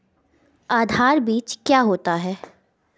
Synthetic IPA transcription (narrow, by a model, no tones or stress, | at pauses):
aːd̪ʱaːɾbiːt͡ʃkjaːɦoːt̪aɦɛː